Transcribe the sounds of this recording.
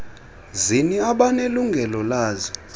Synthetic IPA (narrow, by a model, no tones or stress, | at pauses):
ziniaɓaneluŋɡʱɛlɔlaːzɔ